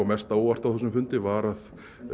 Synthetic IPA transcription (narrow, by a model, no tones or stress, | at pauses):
amɛst̪aowar̥t̪awθɛs̬ʏmfʏnt̪ɪvaɾað